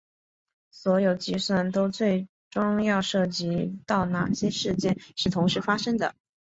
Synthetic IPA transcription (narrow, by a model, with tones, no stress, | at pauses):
swɔ˧˥jo˨˩ʊt͡ɕi˧˥swa˥˩nt̪o˥ʊt͡swe˥˩ɪ | ʈ͡ʂʊ˥ŋjɑ˥˧ʊʂɤ˥˩t͡ɕi˧˥t̪ɑ˥˧ʊna̰˥˨˩ɕjɛ˥ʂɻ̩˥˧t͡ɕjɛ˥˩nʂɻ̩˥˩t̪ʰʊ˧˥ŋʂɻ̩˧˥fa˥ʂɤ˥ŋd̪ə̰˨